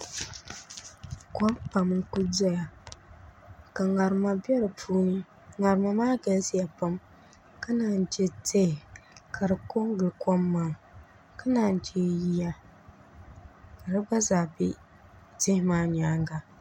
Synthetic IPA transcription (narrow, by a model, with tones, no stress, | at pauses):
kɔ˦mpa˨mɨ˦ku˦dɔ˦ja˨ | ka˨ŋa˨ɾma˨bɛ˦ɾɨ˨pʰuː˦nɨ˦ | ŋa˨ɾɨ˨ma˨maː˦ɡa˨lsi˦ja˨pa˦m | ka˦naː˨n˦˨d͡ʒɛ˦te˦ɪ˨kʰa˨ɾɨ˨ko˦ŋ˦ɡɨ˨kɔ˦mːaː˨ | ka˦naː˨n˨d͡ʒe˦ji˦ja˦ | ka˨ɾɨ˦ba˦zaː˨bɪ˦ | tɪ˦hɪ˦maː˦ɲaː˨˦ŋɡa˨